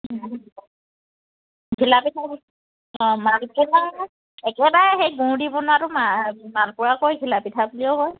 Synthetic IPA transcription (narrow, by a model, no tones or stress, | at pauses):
kʰilapitʰab | ɔ̃malkɔna | ɛkɛbaɹɛxejɡũɹdibɔnaɹʊmamanpʊɹakojkʰilapitʰabuliɔɦɔj